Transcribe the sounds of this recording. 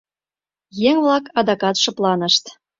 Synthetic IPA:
jæβlɑkɑd̪ɑkɑt̪ʃɤ̆plˠɑnə̆ʃt̪

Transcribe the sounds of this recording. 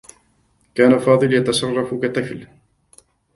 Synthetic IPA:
kaːnafɑːd̪ˤɨljat̪asˤɑrˤːɑfkat̪ˤːɨkl

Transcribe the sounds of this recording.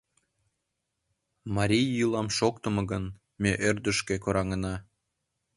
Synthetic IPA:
mɑɾʲijːulɑmʃokt̪ə̆mɤ̆ɣən | meʔørd̪ə̆ʃkekoɾɑŋənɑ

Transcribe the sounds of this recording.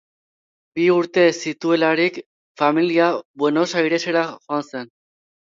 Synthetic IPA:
biuɾt̪e̞sit̪ue̞laɾik | familiaβwe̞no̞sajɾe̞seɾaxo̞anse̞n

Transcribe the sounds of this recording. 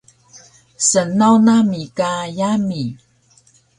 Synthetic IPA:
sənawnamikajami

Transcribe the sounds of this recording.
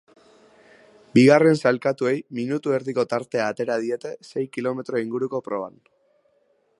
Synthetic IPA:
biɣ̞are̞nsalkat̪ue̞jminut̪ue̞ɾðiko̞t̪aɾt̪e̞aːt̪e̞ɾað̞ie̞t̪e̞se̞jkilo̞me̞t̪ɾo̞iŋɡuɾuko̞pɾo̞β̞a̰n

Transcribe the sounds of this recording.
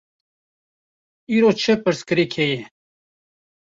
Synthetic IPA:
iːɾot͡ʃʰəpəɾskɨɾikʰejɛ

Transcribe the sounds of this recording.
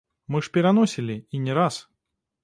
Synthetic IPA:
mɨʂpʲɛɾanɔsʲilʲiinʲɛɾas

